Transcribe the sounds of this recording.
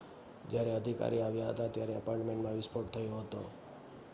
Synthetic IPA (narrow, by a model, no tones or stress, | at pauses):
d͡ʒjaɾɛəd̪ʱika̰ɾiaʋjaɦə̰t̪at̪jaɾɛəpaɾʈmẽɳʈmãʋɪspʰoʈ̚t̪ʰəjoɦət̪o̰